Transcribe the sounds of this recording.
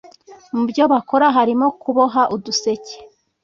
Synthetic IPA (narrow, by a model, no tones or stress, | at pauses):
mubjoβako̞ɾaɦaɾimokuβoɦaʔuduse̞ce̥